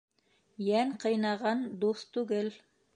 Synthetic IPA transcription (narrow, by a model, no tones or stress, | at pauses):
jæŋqɤ̆jnɑʁɑnd̪uθt̪ʉɡɘl